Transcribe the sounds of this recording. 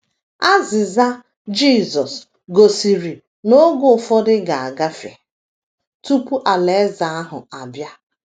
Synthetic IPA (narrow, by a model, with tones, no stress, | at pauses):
a˦zɪ˨za˦ | d͡ʒiː˦˨zɔ˨s | ɡo˨si˨ɾi˨ | no˦ɡʊ˨fɔ˦dɪ˦ɡa˨a˨ɡa˦fḛ˨ | tu˦pu˦ʔa˨le˨˦za˨a˦ɦʊ̰˨a˨bja˦